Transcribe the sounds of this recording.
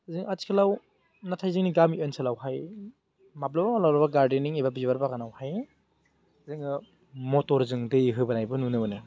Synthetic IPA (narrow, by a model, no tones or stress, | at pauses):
zɯŋati̥kʰɯlaw | natʰajzɯŋniɡamiʔɯnsʰalawɦaj | map̚labawlawɾɐbaɡaɾdiniŋibabizbaɾbakanawhaj | zɯŋɯ | motɔɾzɯŋdɯɦɯbanajbɯnunɯbɯnɯ